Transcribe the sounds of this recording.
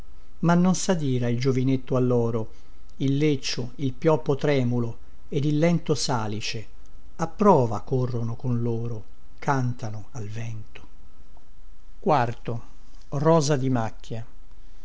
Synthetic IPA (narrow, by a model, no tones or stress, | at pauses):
manːonsad̪iːɾaild͡ʒovinet̪ːoalːɔːɾo | ilːet͡ʃːo | ilpjɔpːot̪ɾɛːmulo | ed̪ilːɛnt̪osaːlit͡ʃe | apːɾɔːvakorːonokonloːɾo | kʰant̪anoalvɛnt̪o̥ | kwart̪o | rɔːzad̪imakːja